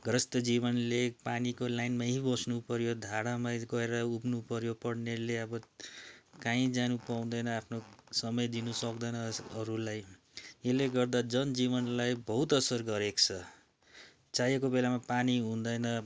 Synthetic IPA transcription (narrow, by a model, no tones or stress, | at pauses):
ɡrʌst̪ʌd͡ziβʌnlepanikolajnmaɦibʌsnupʌɾjod̪ʱaɽamaɡʌeɾʌupnupʌɾjopʌɽneleʌbʌ | kãĩd͡zanupaw̃d̪ʌjnʌapʰnosʌmʌjd̪inʌsʌkd̪ʌnʌʌɾulaj | eleɡʌrd̪ad͡zʌnd͡ziβʌnlajbʌɦut̪ʌsʌrɡʌɾekt͡sʰʌ | t͡sajekobelamapaniɦũnd̪ʌjnʌ